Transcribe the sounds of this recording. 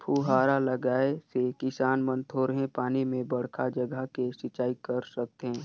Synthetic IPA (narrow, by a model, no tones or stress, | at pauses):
pʰuːɦaːɾaləɡaːesekɪsaːnmə̃nt̪ʰoːɾɦẽpaːnimẽbɐɽ̤kʰad͡ʒəɡʱəkesɪt͡ʃaːikəɾsək̚t̪ɦẽː